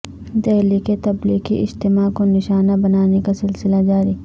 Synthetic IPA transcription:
d̪ɛɦliket̪ɐbliːqḭʔɪ̰d͡ʒt̪ɪmakonɪʃaːnabɐnaːnekasɪlsɪlad͡ʒaːɾiː

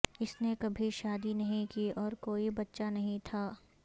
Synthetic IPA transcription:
ɪsnekɐbʱiʃaːd̪inɐɦĩkiːɔːɾkoːibɐtːʃanɐɦĩt̪ʰaː

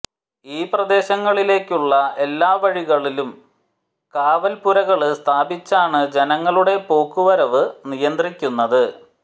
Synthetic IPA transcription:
iːprɐd̪e̞ːɕɐŋːɐɭile̞ːkʲːuɭːɐe̞lːaːʋɐɻiɣɐɭilum | kaːʋɐlpuɾɐɣɐɭɨst̪ʰaːbit͡ɕːaːɳɨd͡ʑenɐŋːɐɭuɽe̞po̞ːkːuʋɐɾɐʋɨnijɐnd̪rikʲːunːɐðɨ

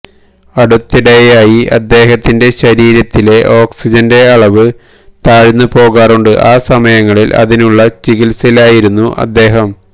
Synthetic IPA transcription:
ɐɽut̪ːiɽɐjaːjiɐ̰d̪ːe̞ːɦɐt̪ːinde̞ɕɐɾiːɾɐt̪ːile̞ʔo̞ːksid͡ʑɐnde̞ɐɭɐʋɨ | t̪aːɻinːupo̞ːɣaːruɳɖɨʔaːsɐmɐjɐŋːɐɭilʔɐ̰ðinuɭːɐt͡ɕiɣilsɐlaːjiɾunːuʔɐ̰d̪ːe̞ːɦɐm

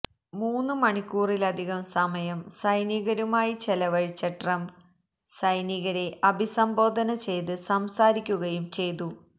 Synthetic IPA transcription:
muːnːɨmɐɳikʲːuːrilɐd̪ʱiɣɐmsɐmɐjɐmsɐjniɣɐɾumaːjit͡ɕelɐʋɐɻit͡ɕːɐʈrɐm | sɐjniɣɐɾe̞ʔɐbʱisɐmbo̞ːd̪ʱɐnɐt͡ɕe̞jt̪ɨsɐmsaːɾikʲːuɣɐjumt͡ɕe̞jt̪u

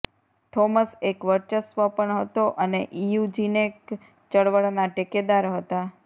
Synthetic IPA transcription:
t̪ʰoməsekʋəɾt͡ʃəsʋəpəɳɦət̪oʔəneʔijud͡ʒinek | t͡ʃəɽʋəɭnaʈeked̪aɾɦət̪a

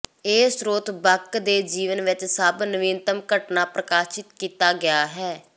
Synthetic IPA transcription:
eːsɾoːt̪bəkd̪eːd͡ʒiːʋənʋɪt͡ʃsəbnəʋɪnt̪əmkəʈnaːpɾəkaːʃɪt̪kiːt̪aːɡɪjaːɦɛː

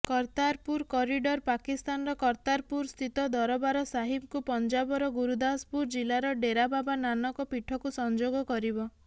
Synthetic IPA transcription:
kɔɾt̪aɾpuɾkɔɾiɖɔɾpakist̪anɔɾɔkɔɾt̪aɾpuɾst̪ʰit̪ɔd̪ɔɾɔbaɾɔsaɦibkupɔnd͡ʒabɔɾɔɡuɾud̪aspuɾd͡ʒilaɾɔɖeɾababananɔkɔpiʈʰɔkusɔnd͡ʒoɡɔkɔɾibɔ

